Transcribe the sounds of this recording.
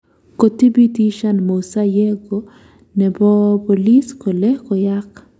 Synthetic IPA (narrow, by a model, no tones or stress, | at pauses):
kot̪ibitiʃanmosajɛɡo | nɛbɔpoliskɔlɛhkɔjak